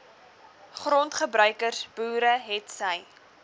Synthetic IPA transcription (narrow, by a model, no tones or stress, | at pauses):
χrɔntχəbɾœɥkərb̥uːɾəɦɛtsəj